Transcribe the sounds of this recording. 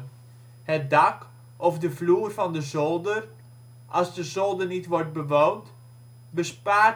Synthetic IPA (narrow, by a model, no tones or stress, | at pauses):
hət̚dɑk | ɔfdəvluːərvɑndəzɔlˠdər | ʔɑlˠzdəzɔlˠdənitʋɔrt̚bəʋownt | bəspaː